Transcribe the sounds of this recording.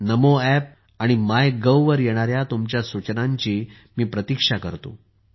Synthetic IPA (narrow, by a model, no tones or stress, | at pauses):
nəmoɛp̚ | aɽ̃imajɡəwʋəɾjeɽ̃aɾjat̪umt͡ɕjasut͡ɕnaɲt͡ɕiː | miːpɾət̪ikʂakəɾt̪o̰